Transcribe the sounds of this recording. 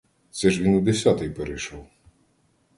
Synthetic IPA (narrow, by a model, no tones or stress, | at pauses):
t̪sɛʒʋʲinud̪esʲɑt̪ɪjpeɾejʃɔw